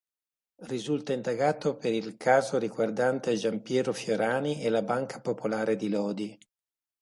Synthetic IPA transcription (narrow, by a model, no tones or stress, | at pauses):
rizult̪aind̪aɡaːt̪opeɾilkʰaːzoɾiɡward̪ant̪ead͡ʒampjɛːɾofjoɾaːniʔelabaŋkʰḁpopolaːɾed̪ilɔːd̪i